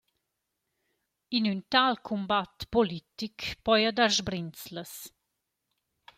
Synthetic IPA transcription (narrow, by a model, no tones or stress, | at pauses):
inynt̪alkʰumbat̪polit̪ikpɔjad̪aɾzbɾint͡sləs